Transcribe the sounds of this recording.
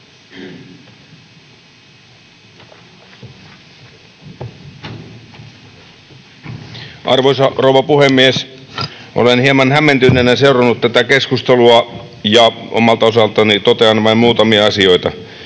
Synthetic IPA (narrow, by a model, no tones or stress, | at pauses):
ʔɑ̰rʋoisɑrouʋɑpuhemːies | ʔo̰lenhiemɑnhæmːent̪ynːˑenæseurɑnːut̪t̪æt̪ækeskust̪eluɑ | jɑo̰mɑlt̪ɑosɑlt̪ɑnit̪ot̪eɑnʋɑimmuːt̪ɑmiɑɑsio̞it̪ɑ